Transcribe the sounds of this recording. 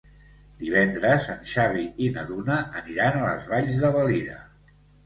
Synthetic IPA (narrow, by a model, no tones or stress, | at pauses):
d̪iβ̞ɛnd̪ɾəzənʃaβiinəðunəːniɾanələ̰zβaʎzðəβəliðə̰